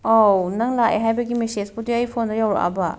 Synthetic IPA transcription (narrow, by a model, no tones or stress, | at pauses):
ownɐŋlaʔḛɦajbɐɡimesespudiɐjpʰondɐjawɾ̰ʔa̰bɐ